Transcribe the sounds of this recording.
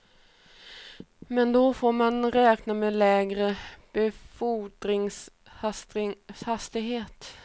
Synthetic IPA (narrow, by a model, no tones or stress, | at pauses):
mɛnd̪ɔfoːɾmanɾɛːknameːlɛːɡɾəb̥ɛfudɾɪŋs | hast̪ɪɡɦeːt̪